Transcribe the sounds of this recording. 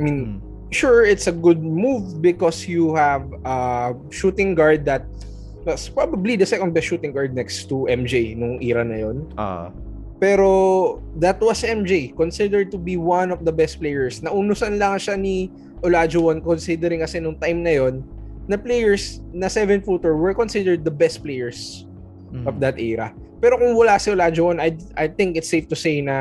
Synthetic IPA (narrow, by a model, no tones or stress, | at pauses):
amĩn | ʃuɹɪt̪sɐɡʊd̪̚muvbɪkɔsjuhæv | ɐ | ʃut̪ɪ̃ŋɡaɹd̪̚ːɐt̪̚ | wɐspɹabɐblid̪ɐsɛkɔ̃nd̚bɛst̪ʃuːt̪ɪ̃ŋɡaɹd̪̚nɛkst̪uʔɛmd͡ʒejnʊŋʔiːɾɐnɐ̰jon̰ | pɛːɾo̞ | d̪ɐt̪̚wɐsɛmd͡ʒejkɔnsɪd̪ɛɹd̪̚t̪ʊbiwɐnɔvd̪ɐbɛst̪̚plejɛɹsnɐʔunʊsɐnlɐŋʃani | ʔolaːd͡ʒowɐnkonsɪd̪ɛɾɪŋkɐsɛnʊŋt̪ajmnɐjo̞nːɐplejɛɹsnɐsɛvɛnfuːt̪ʊɹwɛɹkɔnsɪd̪ɛɹd̪̚ːɐbɛst̪̚plejɛɹs | ʔɔvd̪ɐt̪ʔɛɹɐ̰ | pɛːɾo̞kʊŋwɐlasɪʔolaːd͡ʒowɐnɐjʔajt̪ɪŋkɪt̪sejft̪ʊsejnɐ